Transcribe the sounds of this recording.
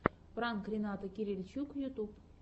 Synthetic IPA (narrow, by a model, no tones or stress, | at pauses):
prɑnkrʲinɑt̪əkʲiɾʲilʲt͡ɕukjut̪up